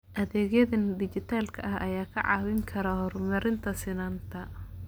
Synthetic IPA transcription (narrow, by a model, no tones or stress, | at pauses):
ʔɐðɛːɣjɐðɐnd̪ɪt͡ʃɪt̪ʰaːlkʰɐ̰ʔɐhʔɐjaːkʰɐʕɑːwɪŋkʰɐɾɐhɔrmɐɾɪnt̪ʰɐsɪnaːnt̪ʰɐ